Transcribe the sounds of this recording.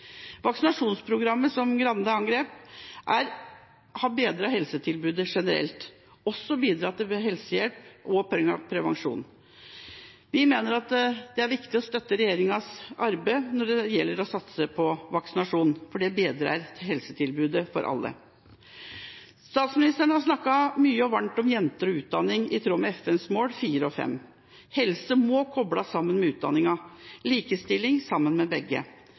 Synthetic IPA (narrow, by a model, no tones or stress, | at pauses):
ʋɑksɪnɑʂuːnspʰɾʊɡɾɑmːəsɔmɡɾɑnd̪əɑŋɡɾeːpʔæɾ | hɑbeːd̪ɾɑːɦɛlsət̪ʰɪlbʉːd̪əʂɛnəɾɛ̰lt̪ | ɔsːɔbiːd̪ɾɑːt̪ɪlɦɛlsəjɛlpʔɔpʰɾɛŋːɑ̰ʋpʰɾɛʋɑŋʂṵːn | ʋɪmeːnəɾɑt̪d̪ɛæɾʋɪkt̪ɪɔst̪œt̪ːəɾɛjeːɾɪŋɑsɑɾbəɪnɔɖɛjɛlːəɾɔsɑt̪səpʰɔʋɑksɪnɑʂuːnfɔɖɛbeːd̪ɾɑ̰ːɾt̪ʰɪhɛlsət̪ʰɪlbʉːd̪əfɔ̰ɾʔɑ̰lːə̰ | st̪ɑːt̪smɪnɪst̪əɳəhɑɾʂnɑkːɑmyːəɔʋɑɳʈ̪ɔmjɛnt̪əɾɔʉːt̪̚d̪ɑnːɪŋɪt̪ʰɾuːmɛɛfɛnsmoːlfiːɾəɔfɛ̰m | hɛlsəmɔkʰɔblɑsɑmːənmɛʉːt̪̚d̪ɑ̰nɪŋɑliːkəst̪ɪlːɪŋsɑmːənmɛbɛɡːə̰